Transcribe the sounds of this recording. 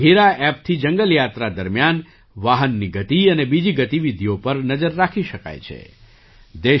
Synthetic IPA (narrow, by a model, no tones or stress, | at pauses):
ɦiɾaɛp̚t̪ʰid͡ʒəŋɡəljat̪ɾad̪əɾmjan | ʋaɦənːiɡət̪iənebid͡ʒiɡət̪iʋid̪ʱijopəɾnəd͡ʒəɾːakʰiʃəka̰jt͡ʃʰḛ | d̪e